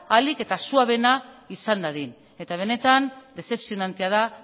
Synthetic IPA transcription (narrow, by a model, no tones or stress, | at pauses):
alike̞t̪asuaβe̞naisand̪aðin | e̞t̪aβ̞e̞ne̞t̪and̪e̞se̞psionant̪eað̞a